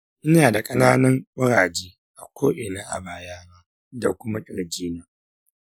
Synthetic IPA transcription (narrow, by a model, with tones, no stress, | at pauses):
ɪ˦jaː˨da˨kʼɐ˦naː˦nɐ˦ŋk͡pʊ˦ɽaː˨d͡ʒeː˦ | ʔa˨kʷʰoː˦ʔɪ˨naː˦ʔa̰˨baː˨jaː˦na˦ | da̰˨kʷʊ˦ma˦kʲʼɪ˨ɽd͡ʒiː˦na˨